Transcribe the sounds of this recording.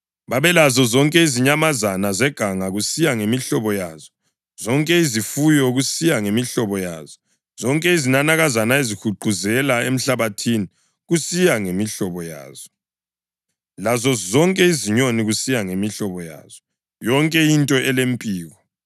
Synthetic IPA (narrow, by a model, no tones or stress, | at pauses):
βaβɛlazɔzɔŋkʼɛiziɲamazanazɛɡ̥ʱaŋaɣusijaŋemiɬɔβɔjaːzɔ | zɔŋkʼɛizifujɔɣusijaŋemiɬɔβɔja̰z̥ɔ | z̥ɔŋkʼɛizinanaɣazanaezikʰuǃʱuzɛlaem̩ɬaβatʰini | ɣusijaŋemiɬɔβɔja̰ːz̥ɔ | lazɔzɔŋkʼɛiziɲoniɣusijaŋemiɬɔβɔja̰ːz̥ɔ | jɔŋkʼɛintʼɔʔɛlempʼiːɣɔ